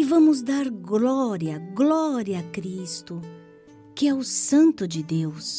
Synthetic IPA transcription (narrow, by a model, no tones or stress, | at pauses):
ɪvɐ̃mʊzd̪aɾɡlɔɾiɐɡlɔɾiɐːkɾist̪ʊ | kɪɛʊsɐ̃nt̪ʊd͡ʒɪd̪ews